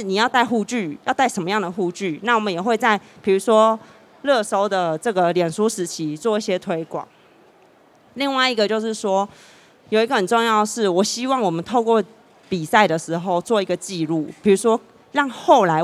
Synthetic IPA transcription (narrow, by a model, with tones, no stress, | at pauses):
ni˨˩jɑ˥˧ʊt̪a˥˧ɪxu˥˧t͡ɕy˥˩jʊt̪a˥˩ɪʂə˧˥nmə˦jɑ˥˩ŋd̪ə˩xu˥˧t͡ɕy˥˩na˥˩wɔ˨˩mə˨˦njɛ˨˩xwe˥˧ɪt͡sa˥˩ɪpʰi˨˩ɻu˧˥ʂwɔ˦˥ | lɤ˥˨so˥ʊd̪ə˨ʈ͡ʂɤ˥˩ɡə˩ljɛ˨˩nʂu˥ʂɻ̩˧˥t͡ɕʰi˧˦t͡swɔ˥˧i˥˩ɕjɛ˥t̪ʰwe˥ɪkwɑ̰˨˩˦ŋ | li˥˧ŋwa˥˩ɪi˧˥ɡə˧t͡ɕjo˥˧ʊʂɻ̩˥˩ʂwɔ˦˥ | jo˨˩ʊi˦ɡə˧hə˨˩nʈ͡ʂo˥˧ŋjɑ˥˧ʊəʂɻ̩˥˩wɔ˨˩ɕi˦˥wɑ˥˩ŋwɔ˨˩mə˨nt̪ʰo˥˧ʊkwɔ˥˨ | pi˨˩sa˥˩ɪd̪ə˩ʂɻ̩˧˥xo˥˧ʊt͡swɔ˥˩i˧ɡə˧t͡ɕi˥˧lu˥˩pʰi˨˩ɻu˧˥ʂwɔ˦˥ | ɻɑ˥˧ŋxo˥˩ʊla˧˦ɪ